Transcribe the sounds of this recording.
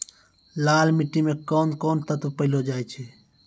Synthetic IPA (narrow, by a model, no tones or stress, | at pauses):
laːlmiʈːimekoːnkoːnt̪ət̪opəɪlod͡ʒaːjt͡ʃʰeː